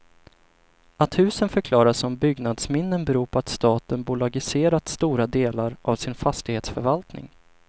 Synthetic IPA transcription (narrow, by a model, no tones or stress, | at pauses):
at̪hʉ̟ːsənfœɾkʰlɑːɾasɔmbʏɡnad̪smɪnːənbɛɾuːpʰɔat̪st̪ɑːt̪ənbʊlaɡɪseːɾat̪st̪uːɾad̪eːlaɾʔavsɪnfast̪ɪɡheːt̪sfœɾvalt̪nɪ̰ŋ